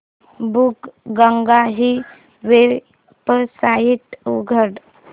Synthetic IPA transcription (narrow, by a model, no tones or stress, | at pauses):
bukɡəŋɡaɦi | ʋeɾ | pəsaiʈ̪uɡʱəɽ